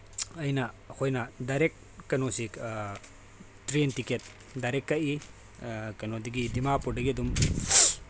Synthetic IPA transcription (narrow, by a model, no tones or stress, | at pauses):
ɐjnɐ | hojnɐdajɾek̚ | kɐnosik | tɾentiket̚ | dajɾekːɐʔi | kɐnodɐɡidimapudɐɡiɐdum